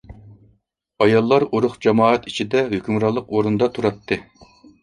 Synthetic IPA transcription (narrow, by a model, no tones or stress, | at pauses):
ɑjɑlˠːɑɾuɾʊχd͡ʒɑmɑːɛt̪it͡ʃʰid̪ɛɦøkʲymɾɑlˠːəqoɾund̪ɑt̪ʰuɾɑt̪ʰːɨ